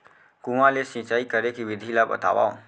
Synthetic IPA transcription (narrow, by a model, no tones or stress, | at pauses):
kũʋãlesĩt͡ʃaːikəɾekiʋɪd̪ʱilabə̰t̪a̰ʋa̰o